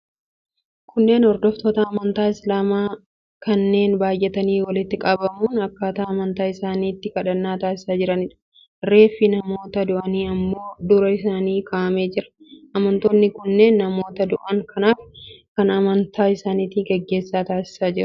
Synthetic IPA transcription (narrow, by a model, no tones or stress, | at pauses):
kʊnːe̞ːnɔɾd̪ɔft̪oːt̪ɐːmɐnt̪aːɪslaːmaː | kɐnːe̞ːnbaːjʔɛt̪ɐniːwɐlɪt̪ːɪkʼɐbɐmuːnɐkːaːt̪aːmɐnt̪aːɪsaːniːt̪ːɪkɐᶑɐnːaːt̪aːsɪsaːd͡ʒɪɾɐnɪᶑɐ̥ | re̞ːfːɪnɐmo̞ːt̪ɐd̪ʊʔɐniːɐmːo̞ːd̪ʊɾɐɪs̬aːniːkʰaːʔɐme̞ːd͡ʒɪɾɐ̥ | ʔɐmɐnt̪oːnːɪkʊnːe̞ːnːɐmo̞ːt̪ɐd̪ʊʔɐŋkʰɐnaːfkɐnɐmɐnt̪ʰaːɪsaːniːt̪ɪɡɛɡːe̞ːsːaːt̪aːsɪ̥saːd͡ʒɪɾɐ